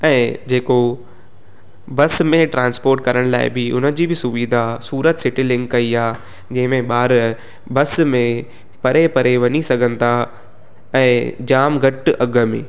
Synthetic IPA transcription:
ɛ̃ːd͡ʑeːko | bɐsmẽʈɾãːnspoːɾʈkɐɾəɽ̃la̰ːɪ̰bɪʊnəd͡ʑiːbɪsʊʋiːd̪ʱasuːɾət̪sɪʈɪlɪ̃ŋkːɐiaː | d͡ʑɐ̃ɦɪ̃mẽɓaːɾ | bɐsmẽ | pɐɾepɐɾeʋɐɲisɐɡʱə̃nɪ̆t̪ʰa | ɛ̃ːd͡ʑaːmɡʱɐʈʔɐɡə̆mḛ̃ː

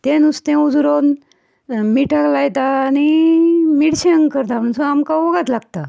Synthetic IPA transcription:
t̪enust̪ẽud͡zɾon | miʈʰaklajt̪aːnimiɽɕeəŋkəɾt̪am̤əɳsəamkaoɡat̪laɡ̚t̪a

